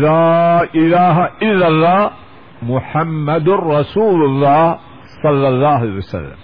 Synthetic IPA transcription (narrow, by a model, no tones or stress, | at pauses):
laːʔɪlaːɦaʔɪlːalːaː | mʊħamːad̪rˤɑsuːlʊlˤːɑːh | sˤɑlːɑlˤːɑːhalewasa̰lːa̰m